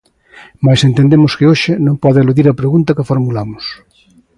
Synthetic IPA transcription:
majsent̪end̪emʊskeoʃɪnõmpɔðeeluðiɾɐpɾeɣunt̪ɐkefoɾmulamʊs

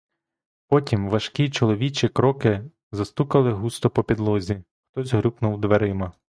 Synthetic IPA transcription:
pɔtʲimʋɐʃkʲit͡ʃɔlˠɔʋʲit͡ʃʲikɾɔkɪ | zɐst̪ukɐlˠɪɦust̪ɔpɔpʲid̪lˠɔzʲi | xt̪ɔzʲɦɾʲupnʊwd̪ʋeɾɪmɐ

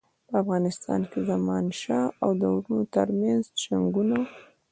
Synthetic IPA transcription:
pəafɣɑnɪst̪ɑ̰nkezamɑnʃɑawd̪əwɾunot̪əɾmjanzʃaŋɡuno

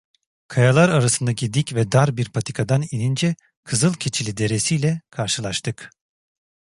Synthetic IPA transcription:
kʰajalˠaɾaɾasɯnd̪acid̪icvɛd̪aɾbiɾpʰat̪ʰi̥kʰad̪aninind͡ʒɛ | kʰɯzɯlˠcʰet͡ʃʰilʲid̪e̞ɾesijlʲɛkʰaɾʃɯlˠaʃt̪ʰɯk

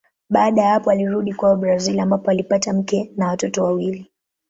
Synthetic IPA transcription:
ɓaːɗajahapɔaliɾuɗikwaɔɓɾazilambapɔalipatam̩kɛnawatɔtɔwawili

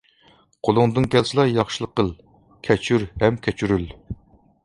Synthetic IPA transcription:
qʰolˠʊŋd̪ɨŋkʲʰɛlsɨlˠɑjɑχʃɨlˠəqəlˠ | kʲʰɛt͡ʃʰyɾɦɛmkʲʰɛt͡ʃʰyɾyl

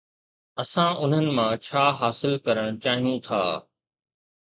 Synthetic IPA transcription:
ɐsãʔʊn̤ənɪ̆mãt͡ɕʰaːɦaːsɪlkɐɾəɽ̃t͡ɕaːɦijũt̪ʰa̰ː

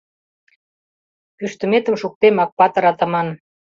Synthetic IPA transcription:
pyʃt̪ə̆met̪ə̆mʃuk̚t̪emɑk̚pɑt̪ə̆ɾɑt̪ə̆mɑn

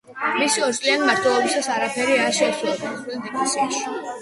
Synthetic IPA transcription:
misiɔɾt̪sʼlianimaɾt̪ʰwɛlˠɔbisasaɾapʰɛɾiaɾʃɛːsulˠɔbamχɛd̪ɛkʰasaʃ

